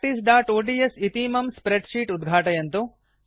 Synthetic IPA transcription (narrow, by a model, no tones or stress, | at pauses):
ʈisɖaːʈoːʈiesit̪iːmɐmspɾeɖʂiːʈud̪ɡʱaːʈɐjɐnt̪u